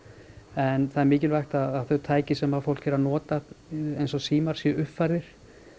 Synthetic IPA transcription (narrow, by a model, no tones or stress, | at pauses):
ɛnθaðɛɾmɪːc̬ɪlvajxt̪aːθœɥt̪ʰaːjcɪsɛmafowl̥kɛɾanɔːt̪aejnsɔsiːmaɾ̥sjɛʏhpfaɾðɪɾ̥